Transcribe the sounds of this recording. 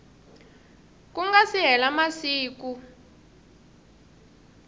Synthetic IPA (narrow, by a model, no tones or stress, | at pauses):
kuŋɡasiɦɛlamasiːku